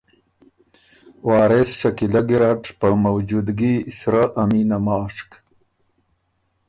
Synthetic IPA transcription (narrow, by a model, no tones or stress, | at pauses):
wɑːɾesʃakilaɡiɾaʈpəmawd͡ʒud̪ɡisɾaʔaminamɑːʂk